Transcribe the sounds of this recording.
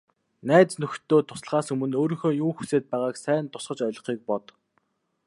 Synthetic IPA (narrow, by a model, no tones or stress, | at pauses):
næːt͡snɵxt̪ʰːoːt̪ʰʊ̥sɮʁaːsɵmɵ̆noːɾiːŋxoːjuːxuseːt̪̚pæːʁaːksæːnt̪ʰʊ̥sʁ̥ə̆t͡ɕɔjɮ̆χiːk̚pɔt̪